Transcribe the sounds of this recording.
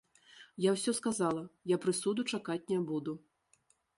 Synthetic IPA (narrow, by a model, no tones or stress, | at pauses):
jawsʲɔskazalˠɐjapɾɨsud̪ut͡ʂakat͡sʲnʲɛbud̪u